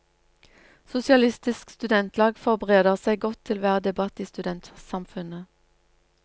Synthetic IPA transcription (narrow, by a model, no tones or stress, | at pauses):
sʊsɪɑlɪst̪ɪskst̪ʉd̪ɛnt̪ʰlɑːɡfɔʁbəʁeːd̪əʁsæɪɡɔt̪ʰːɪlʋæːʁəd̪ɛbɑt̪iːst̪ʉd̪ɛnt̪sɑmfʉnə